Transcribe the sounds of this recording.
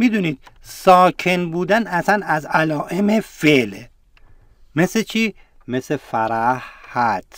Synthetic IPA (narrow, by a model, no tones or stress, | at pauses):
mid̪uniːd̪̥̚sɒːkʰenbuːd̪ænæsænæzælɒːʔemefele | meset͡ʃʰiː | mesefæɾæhhæt̪ʰ